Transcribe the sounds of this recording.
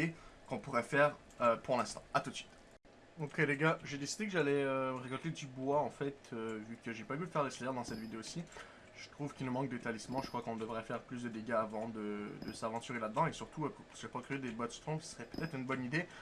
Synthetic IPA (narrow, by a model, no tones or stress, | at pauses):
ekɔ̃puʁɛfɛʁ | øpuʁlɛ̃st̪ɑ̥̰̃at̪ut̪sɥi̥t̪ | okeleɡaʒed̪esid̪ekəʒalɛøməʁekɔlt̪ed̪ybwaɑ̃fɛt̪øvykəʒepaɡyd̪əfɛʁlesljɛʁd̪ɑ̃sɛt̪vid̪eosi | ʒ̥ət̪χuvkʲilnəmɑ̃k̚d̪et̪alismɑ̃ʒəkχwakɔ̃d̪əvʁɛfɛʁplys̬d̪əd̪eɡaːvɑ̃d̪əd̪əsavɑ̃t̪yʁelad̪əd̪ɑ̃esyʁt̪uøsʒɛpakχied̪ebɔt̪st̪χɔ̃sə̥səʁɛpø̥t̪ɛt̪χynbɔnid̪e